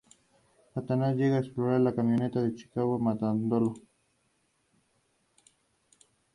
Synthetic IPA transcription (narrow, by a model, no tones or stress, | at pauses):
sat̪anasʝeɣaeksploɾaɾlakamjonet̪aðet͡ʃi̥kaɣomat̪and̪olo